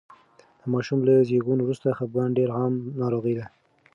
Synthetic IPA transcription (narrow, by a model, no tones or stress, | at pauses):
d̪̥əmɑʃumlazeɣunowɾust̪axab̚ɡɑnɖeɾɣɑmnɑɾoɣəjd̪a